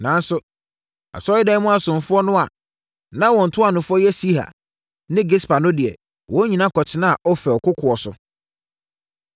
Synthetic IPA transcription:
nã˨n˦sʊ˨ | a̰˨sɔ˦ɪ˦dɛ̃˦mũ˦a˨sʊ̃˨m̩˨fʊ˦ɔ˦nʊ̃˦a˨ | nã˦wɔ̃˨n̩˨tʰʊ˦a˨nʊ̃˨fʊ˦ɔ˦jɛ˦si˦ha̰˨ | nɪ̃˦ɡe˦spʰa˨nʊ̃˦dɪ˨ɛ̰˨ | wɔ̃˦ɲĩ˨nã˦kʰɔ˨t͡ɕʰɪ˦nã˦˨ʔɔ˦fɛ˨ɔ˨kʊ˦kʰʊ˨ɔ˨sʊ̰˨

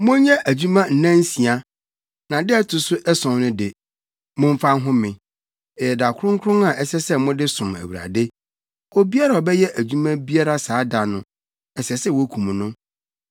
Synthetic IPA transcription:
mʊ̃˦ɲɛ̃˦ʔæ˨d͡ʑu˦mã˦n̩˨nã˦n̩˦si˨a˦ | nã˨dɪ˦ɛ˦tʰʊ˨sʊ˦ʔɛ˦sɔ̃˨mnʊ̃˦dɪ˨ | mʊ̃˦ɱ˦fã˦n˦ɦʊ̃˦mɪ̃˨ | ɛ˨jɛ˨da˨kʰʊ˦ɾʊ̃˦ŋ˦kʰɾʊ̃˦ã˨ʔɛ˦sɛ˦sɛ˦mʊ̃˦dɪ˦sʊ̃˨mæ̰˨wu˨ɾa̰˨de˦ | o˦bi˦a˦ɾa˨ɔ˨bɛ˦jɛ˦ʔæ˨d͡ʑᶣu˦mã˦bi˦a˦ɾa˦saː˨˦da˨nʊ̰̃˨ | ɛ˨sɛ˨sɛ˦wɔ˦kʰũ˨m̃˨nʊ̃˦

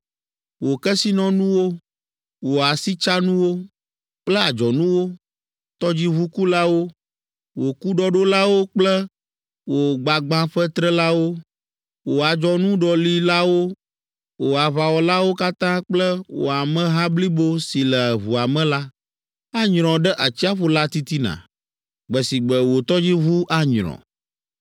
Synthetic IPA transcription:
wo˨kɛ˦si˦nɔ̃˦nũ˦wo˦ | wo˨a˨si˦t͡ʃa˦nũ˦wo˦ | k͡plɛ˦a˨d͡ʒɔ˨nũ˦wo˦ | t̪ɔ˦d͡ʑi˦βu˦ku˦la˦wo˦ | wo˨ku˦ɖɔ˦ɖo˦la˦wo˦k͡plɛ˦ | wo˨ɡ͡ba˨ɡ͡bã˦ɸɛ˦t̪ɾɛ˦la˦wo˦ | wo˨a˨d͡ʒɔ˦nũ˦ɖɔ˨li˦la˦wo˦ | wo˨a˨βa˨wɔ˨la˦wo˦ka˦t̪ã˦k͡plɛ˦wo̰˨a˨mɛ̃˦ɦã˦bli˦bo˦si˨lɛ˨βu˨a˨mɛ̃˦la˦ | a˦ɲɾ̃ɔ̃˨ɖɛ˦ʔa˨t͡ɕi˦a˦ɸo˦la˦t̪i˦t̪i˦nã̰˨ | ɡ͡bɛ˨si˨ɡ͡bɛ˨wo˨t̪ɔ˦d͡ʑi˦βu˦ʔa˦ɲɾ̃ɔ̰̃˨

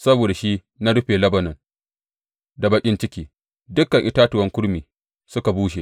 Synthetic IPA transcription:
sɐ˦boː˨da˨ʃi˦ | na˦ɽʊ˦ɸeː˨lɐ˦bɐ˨nɔ˨n | da˨bɐ˨kʲʼɪ˦nt͡ʃɪ˦kʲiː˦ | dʊ˦kːɐ˨ŋʔɪ˦taː˦tʊ˨wɐ˦ŋkʷʊ˦ɽmiː˨ | sʊ˦ka˨buː˦ʃ̬e˨

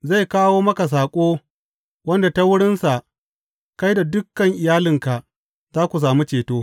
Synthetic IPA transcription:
za˦˨jkaː˦woː˦mɐ˦ka˨s̬aː˨kʷʼoː˦ | wɐ˦nda˨ta˦wʊ˦ɽɪ˦nsa˨ʔ | ka˦jda˨dʊ˦kːɐ˨ŋʔɪ˨jaː˦lɪ˦˨ŋka˨ʔ | zaː˦kʷu˨s̬aː˨mi˦t͡ʃeː˨toː˦

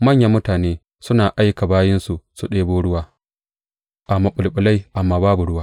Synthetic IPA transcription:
mɐ˦ɲja˨mːʊ˦taː˨neː˦ | sʊ˦naː˨ʔa˦jka˨baː˦jɪ˦nsu˨su˨ɗeː˦boː˦ɽʊ˦waː˦ | ʔa˨mɐ˨ɓʊ˨lɓʊ˨la˦jʔa˨mːaː˨˦baː˦bu˨ɽʊ˦waː˦

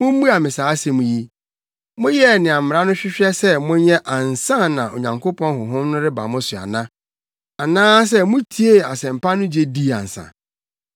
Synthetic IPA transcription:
mʊ̃˦m̩˦bu˦a˨mɪ̃˨saː˨˦sɛ˨mũ˨ji˦ | mʊ̃˦jɛ˦˨nɪ̃˨a˨m̩˨m˨ɾa˦nʊ̃˦ɕᶣɪ˦ɕᶣɛ˦sɛ˦mʊ̃˦ɲɛ˦ʔa˨n̩˨sã˦nã˨ʔo̰˨ɲã˨ŋkʰo˦pʰɔ̃˦nhʊ˨ɦʊ̃˦mnʊ̃˦ɾɪ˦ba̰˨mʊ̃˦sʊ˨a̰˨nã˦ | a˨nãː˦s̬ɛ˦mʊ̃˦tʰi˦e˦˨a˨sɛ̃˨m̩˨pa˦nʊ̃˦d͡ʑe˦di˦˨a̰˨n̩˨sã̰˨

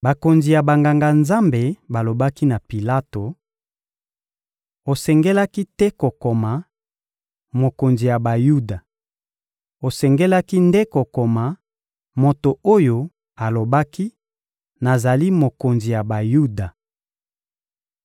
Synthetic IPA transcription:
ba˨ko˨nzi˨ja˨ba˨ŋɡa˨ŋɡa˨nza˦mbe˨ba˨lo˨ba˦ki˦na˨pi˨la˦to˨ | o˨sɛ˨ŋɡɛ˦la˦ki˦tɛ˦ko˨ko˨ma˨ | mo˨ko˨nzi˨ja˨ba˨ju˦da˨ | o˨sɛ˨ŋɡɛ˦la˦ki˦nde˦ko˨ko˨ma˨ | mo˨to˨o˦jo˨ | a˨lo˨ba˦ki˦ | na˨za˨li˦mo˨ko˨nzi˨ja˨ba˨ju˦da˨

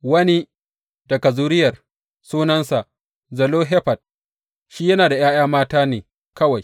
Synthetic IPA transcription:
wɐ˦ni˦ | dɐ˨kɐ˨zuː˦ɾɪ˦jɐ˨r | suː˦nɐ˦nsa˨ʔ | zɐ˨loː˦ɦe˦ɸɐ˨t̚ | ʃiː˦jɐ˦naː˨da˨j̰aː˦jaː˦maː˦taː˦neː˨ | kɐ˦wa˨j

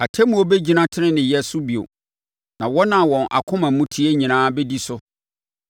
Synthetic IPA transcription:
a˨tʰɛ˦mũ˦o˦bɛ˦d͡ʑi˦nã˦tʰɪ˦ɪ̃˦nɪ̃˨jɛ˦sʊ˦bi˨o̰˨ | nã˨wɔ˦nã˨wɔ̃˨nʔa̰˨kʰʊ̃˦mã˨m˦mũ˦tʰi˦e˦ɲĩ˨nãː˦bɛ˦di˦sʊ˦

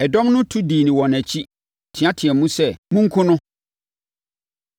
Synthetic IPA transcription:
ɛ˨dɔ̃˦mnʊ̃˦tʰu˦diː˨nĩ˨wɔ̃˨næ˨t͡ɕʰi˦ | tʰɪ˨ã˦tʰɪ˨ɛ̃˨mũ˦sɛ˦˨mũ˦ŋ̩˦kʰʊ̃˦nʊ̃˦

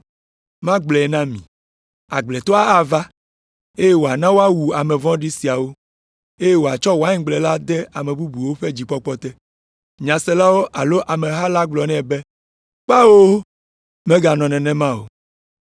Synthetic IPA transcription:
mã˦ɡ͡blɛ˨ɛ˨nã˦mĩ˨ | a˨ɡ͡blɛ˨t̪ɔ˦a˦a˨va˦ | e˦je˦wo˨a˨nã˦wo˦a˦wu˨a˨mɛ̃˨vɔ̃˦ɖi˦si˨a˨wo˦ | e˦je˦wo˨a˨t͡ʃɔ˦wo˨a˦ɲ̃˦ɡ͡blɛ˨la˦d̪ɛ˦a˨mɛ̃˨bu˦bu˨wo˦ɸɛ˦d͡ʑi˨k͡pɔ˦k͡pɔ˦t̪ɛ˦ | ɲã˨sɛ˦la˦wo˦ʔa˨lo˦ʔa˨mɛ̃˨ɦa˦la˦ɡ͡blɔ˨nɛ̃˦˨bɛ˦ | k͡pa˦wo˦ | mɛ̃˦ɡa˨nɔ̃˨nɛ̃˨nɛ̃˦mã˦wo̰˨

